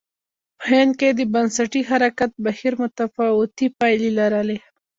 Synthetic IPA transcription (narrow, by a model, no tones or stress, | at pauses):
pəhɪnd̪̚ked̪əbansaʈiɦaɾakat̪̚bahiɾmʊt̪afawʊt̪ipɑjlilaɾale